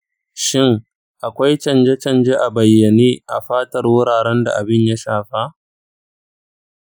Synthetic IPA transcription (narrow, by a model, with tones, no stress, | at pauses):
ʃɪ˦ŋ | ʔa˨kʷa˦jt͡ʃɐ˦˨nd͡ʒe˦t͡ʃɐ˦nd͡ʒe˦ʔa˨bɐ˨jːɐ˨niː˦ʔa˨ɸaː˦tɐ˨rwʊ˦ɽaː˨ɽɛ˦nda̰˨ʔa˨bɪ˦ɲja˦ʃaː˨ɸa˦